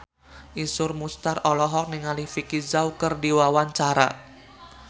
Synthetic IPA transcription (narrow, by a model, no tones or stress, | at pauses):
ʔisʊrmust̪arɔlɔɦɔk̚niŋalihfikizawkərdiwawaɲt͡ʃaɾa̰